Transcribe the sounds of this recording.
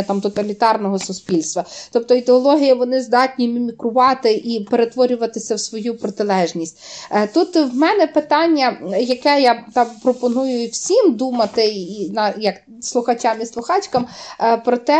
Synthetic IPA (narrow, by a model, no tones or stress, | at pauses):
ɐt̪ɑmt̪ɔt̪ɐlʲit̪ɑrnɔɦɔsʊspʲilʲst̪ʋɐt̪ɔp̚t̪ɔid̪eɔlˠɔɦʲijɐʋɔnɪzd̪ɑtʲnʲimʲimʲikɾʊʋɑt̪ɪʔipeɾet̪ʋɔɾʲʊʋɐt̪ɪsʲɐwsʋɔjupɾɔt̪ɪlˠɛʒnʲisʲtʲt̪ut̪wmɛnɛpɪt̪ɑnʲːɐjɐkɛjɑt̪ɑmpɾɔpɔnujʊwsʲimd̪umɐt̪ɪinɑjɐk | slˠʊxɐt͡ʃɑmislˠʊxɑt͡ʃkɐmpɾɔt̪ɛ